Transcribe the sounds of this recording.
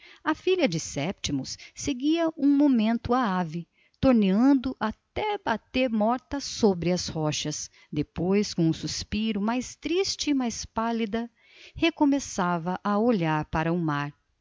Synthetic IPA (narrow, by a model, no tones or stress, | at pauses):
ɐfiʎɐd͡ʒɪsɛpt͡ʃimʊsːeɡiɐũmomẽnt̪ʊaavɪ | t̪oɾneɐ̃nd̪ʊʔat̪ɛbat̪eɾmɔɾt̪ɐsobɾɪɐshɔʃɐs | d̪epojskõũsuspiɾʊmajst̪ɾist͡ʃɪːmajspalid̪ɐ | hekomesavɐʔɐoʎaɾpaɾɐʊmaɾ